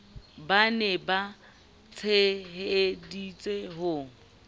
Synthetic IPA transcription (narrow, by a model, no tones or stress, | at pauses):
banɛba | t͡sʰeɦedit͡sʼeɦʊ